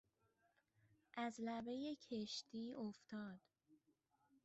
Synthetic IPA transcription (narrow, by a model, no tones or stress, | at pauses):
ʔæzlæbe̞jecʰeʃt̪ʰiːʔoft̪ʰɒːd̪̥